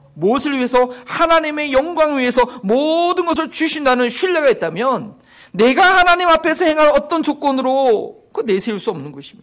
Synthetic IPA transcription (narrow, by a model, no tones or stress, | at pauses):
mosʰɯɭɥiɦe̞s̬ʰʌhanaɲime̞jʌŋɡwaŋɥiɦe̞sʰʌmodɯnɡʌs̬ʰɯɭt͡ɕuɕʰindanɯnɕʰuʎːaɡait̚t͈amjʌnː | e̞ɡahanaɲimapʰe̞sʰʌhe̞ŋɦaɾʌt͈ʌnd͡ʑok͈ʌnɯɾo | kɯne̞sʰeuɭs͈uʌmnɯnɡʌɕʰimo̥